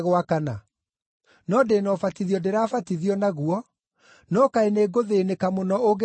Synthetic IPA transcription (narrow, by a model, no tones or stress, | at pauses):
ɣwakana | nɔdenɔfatiðiɔdeɾaːfatiðiɔnaɣuɔ | nɔkaeneːɡoðenekamonɔoɡe